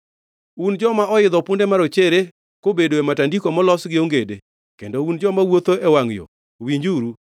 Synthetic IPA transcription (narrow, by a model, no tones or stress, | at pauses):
und͡ʒɔmaɔɪd̪ɔpʊndemaɾot͡ʃeɾe | kobedoematandikomɔlɔsɡɪoŋɡede | kendound͡ʒɔmawot̪oewaŋjɔ̰ | wiɲd͡ʒuɾu